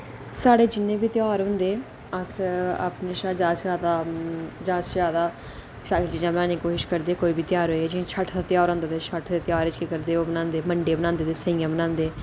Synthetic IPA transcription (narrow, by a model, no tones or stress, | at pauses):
saːɽeːd͡ʒɪnːẽːbiːt̪ɪjaːɾɦʊ̃nd̪eː | əsa̰ːpneːʃad͡ʒaːsaːd̪aːd͡ʒaːszaːd̪aː | ʃaːkd͡ʒɪd͡ʒãːbənãːneiːkoːʃɪʃkəɾd̪eːkoːiːbiːt̪ɪjaːɾɦoːɛːd͡ʒɪẽːt͡ʃʰəʈʰd̪aːt̪jaːɾõːnd̪aːt̪eːt͡ʃʰəʈʰd̪eːt̪jaːɾɪt͡ʃkeːkəɾd̪eːoːbənãːnd̪eːməɳɖeːbənãːnd̪eːt̪eːsəĩːjãːbənãːnd̪eː